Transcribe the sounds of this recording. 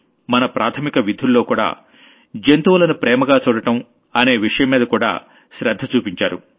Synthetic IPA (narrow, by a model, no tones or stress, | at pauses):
mɐnɐpɾʔaːt̪ʰɐmikɐʋid̪ʱːulːo̞ːkuːɽa̰ː | d͡ʒent̪uʋɐlɐnupɾɛːmɐɡaːt͡ʃuːɽɐʈɐm | ɐne̞ːʋiʂɐjɐmːiːd̪ɐkuːɽa̰ː | ʃɾɐd̪ʱːɐt͡ʃuːpiɲt͡ʃaːɾṵ